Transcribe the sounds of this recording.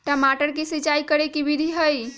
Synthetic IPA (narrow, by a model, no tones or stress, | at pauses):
ʈəmaʈəɾk̬isit͡ʃaikəɾekibid̪ʱiɦəj